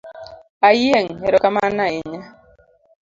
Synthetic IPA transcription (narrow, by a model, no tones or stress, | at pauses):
ajeŋeɾɔkamanaiɲa